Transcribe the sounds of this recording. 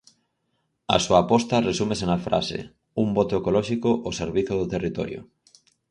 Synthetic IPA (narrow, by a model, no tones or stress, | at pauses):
a̰suapɔst̪ɐresumesenafɾa̰sḛ | umbot̪oekolɔʃikoʔoseɾβiθoðʊt̪erit̪ɔ̰ɾjo̰